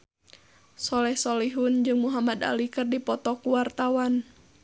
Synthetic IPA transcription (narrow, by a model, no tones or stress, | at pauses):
sɔlɛhsɔliɦʊnd͡ʒɨŋmuɦamad̪a̰likɨrdipɔt̪ɔkuwart̪awan